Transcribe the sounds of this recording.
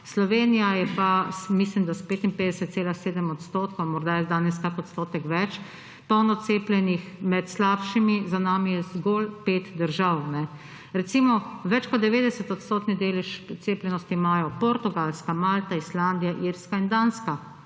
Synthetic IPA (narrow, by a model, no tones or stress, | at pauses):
slɔʋeːnijajɛpasmis̬limd̪aspeːt̪inpeːd̪ɛsɛt̪t̪seːlaseːd̪ɛmɔt̪st̪oːt̪kɔwmɔɾd̪ajɛd̪aːnɛskakɔt̪st̪oːt̪ɛkʋɛt͡ʃ | p̪ɔwnɔseːplɛnixmɛt̪slapʃimizanaːmijɛzɡolpeːt̪d̪əɾʒawnɛ | ɾɛt̪simɔʋɛt͡ʃkɔt̪̚d̪ɛʋeːd̪ɛsɛt̪ɔt̪st̪oːt̪nʲid̪elɛʃt̪seːplɛnɔst̪imajɔpoɾt̪uɡalskamaːlt̪aisland̪ijaʔiɾskaind̪aːnska